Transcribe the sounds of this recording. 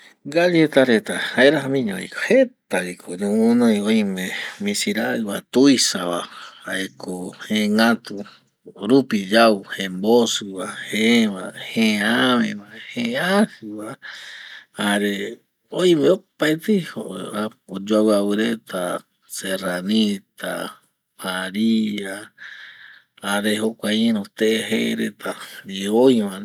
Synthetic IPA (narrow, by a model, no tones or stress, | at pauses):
ɡad͡ʒet̪aɾet̪ahaeɾahamĩɲõḭkohet̪aβikʰoɲõmõnõjõj̃mẽmĩsiɾaɨβat̪ujsaβaaekʰohẽŋat̪u | ɾupid͡ʒawhẽmbosɨβaheβaheaβẽβahẽasɨβa | aɾe | ojmeopaet̪ɨhoaod͡ʒoawawɨɾet̪ʰa | seranit̪a̰ | maɾia | aɾeɦokʷaĩɾõt̪eɦeɾet̪ʰaiojmã